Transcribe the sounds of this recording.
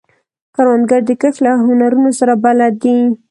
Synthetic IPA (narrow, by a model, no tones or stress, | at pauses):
kaɾwand̪ɡaɾd̪əkəxlaɦʊnaɾunosaɾabalad̪i